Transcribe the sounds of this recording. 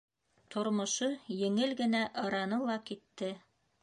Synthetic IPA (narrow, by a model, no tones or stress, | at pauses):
t̪ʰŏɾmŏʃɤjɘ̆ŋɘlɡɘ̆næʔɤ̆ɾɑnɤlˠɑkit̪ːɘ